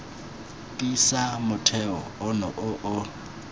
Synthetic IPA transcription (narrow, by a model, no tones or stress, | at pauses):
kʼisamʊtʰɛɔʊnɔʔʊʔʊ